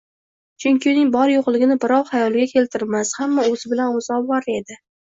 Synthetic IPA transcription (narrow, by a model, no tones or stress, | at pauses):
t͡ʃʰʊŋkʲɪʊnɪŋbɒɾjoqlˠɪɡʲɪnɪbɪɾɒwhajɒlˠɡʲakʲʰe̞lt̪ʰɪɾmashamːaoz̥ɪbɪlanʊzɒbwaɾe̞d̪ɪ